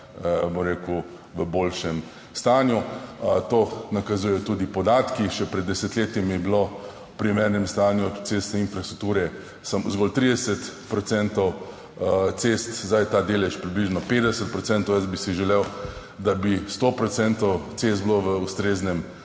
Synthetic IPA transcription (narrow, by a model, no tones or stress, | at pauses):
bomɾeːku | ʋəboːlʃɛm | st̪aːnjut̪onɐkɐzujɛjɔt̪ud̪ipɔd̪aːt̪kiʃɛpɾɛd̪ːɛsɛt̪leːt̪imɛblo | pɾimeːɾnɛmst̪anjut̪sest̪nɛinfɾast̪ɾuk̚t̪uːɾɛ | səmzɡoːlt̪ɾid̪ɛsət̪pɾɔt̪sɛnt̪ɔw | t̪sest̪zd̪ajt̪aːd̪elɛʃpɾibliʒnɔpeːd̪ɛsət̪̚pɾɔtsɛnt̪ɔʊjəsbisiʒɛlew | d̪abist̪opɾɔt̪sɛnt̪ɔwt̪sest̪bloʋəust̪ɾeːznɛm